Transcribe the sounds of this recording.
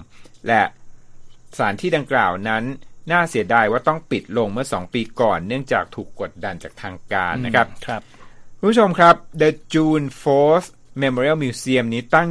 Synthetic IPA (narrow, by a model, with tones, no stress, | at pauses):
lɛ˧˩ʔ | saː˩˦nt̪ʰiː˥˩da˧ŋklaː˨˩wna˦˥nːaː˥˩si˨˩˦ɐdaː˧jwaː˥˩t̪ɔ˥˩ŋpi˨˩t̪̚lo˧ŋmɯ˥˩ɐsɔː˩˦ŋpiː˧kɔː˨˩nːɯ˥˩əŋt͡ɕaː˨˩k̚t̪ʰuː˨˩kːo˨˩t̪̚da˧nt͡ɕaː˨˩k̚t̪ʰaː˧ŋkaː˧nːa˦˥kʰɾa˦˥p | kʰu˥˧nmbu˥˩t͡ɕʰo˧mkʰɾa˦˥p̚də˧t͡ɕuː˧nfoː˦˥s | me˧mɔː˧ɾi˥˩wmiː˧si˧əmniː˦˥t̪a˥˩ŋ